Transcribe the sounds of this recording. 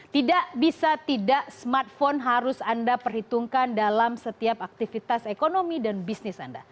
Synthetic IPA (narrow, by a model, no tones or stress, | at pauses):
t̪idaʔbisat̪idaʔsmart̪̚fonɦaɾʊsandapərhit̪uŋkandalamsət̪iapak̚t̪ifit̪asekonomidanbisnɪsa̰nda